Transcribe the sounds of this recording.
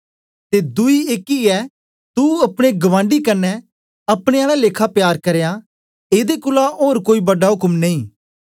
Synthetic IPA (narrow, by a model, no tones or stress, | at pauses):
t̪ed̪ʊieːkiɛ | t̪uɐpɽ̃eɡɐʋãːɳɖikɐnːɛ | ɐpɽ̃ẽaːlaleːkʰapjaːɾkɐɾeja | eːd̪ekʊlaoːɾkoːibɐɖaɦʊkmneĩː